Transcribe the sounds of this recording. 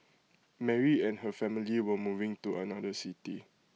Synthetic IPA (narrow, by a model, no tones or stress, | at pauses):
mɛɹiɛ̃nhəfɛmiliwəmuvɪ̃ŋtuə̰nadəsiti